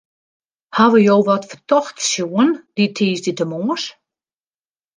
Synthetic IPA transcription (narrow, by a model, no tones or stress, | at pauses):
haʋəjoːwʋɔtfərtɔxtsjuənd̥itʰiːsditəmoːs